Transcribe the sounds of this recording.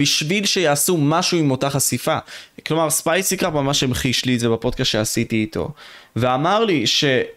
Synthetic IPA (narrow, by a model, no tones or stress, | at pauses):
b̥iʃvilʃejaːsumaʃuimo̞taχasifaklo̞maʁspajsikapmamaʃemeχiʃlietzebapo̞d̚kastʃeasitiːto̞̰veamaʁliʃe̞